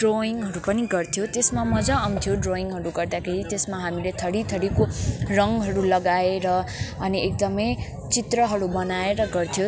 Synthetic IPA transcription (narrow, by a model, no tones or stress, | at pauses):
ɖroiŋɡɦʌɾupʌniɡʌrt̪ʰjot̪esmamʌd͡zaʌmt̪ʰjoɖroiŋɡɦʌɾuɡʌrd̪akʰeɾit̪esmaɦamilet̪ʰʌɽit̪ʰʌɽikorʌŋɦʌɾulʌɡaeɾʌːniek̚d̪ʌmʌj | t͡sit̪rʌɦʌɾubʌnaeɾʌɡʌrt̪ʰjo